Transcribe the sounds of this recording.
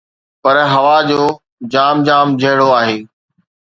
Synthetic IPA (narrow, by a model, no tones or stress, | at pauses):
pɐɾɦɐʋad͡ʑoː | d͡ʑaːmd͡ʑaːmd͡ʑʱɐɦɪɽoaːɦeː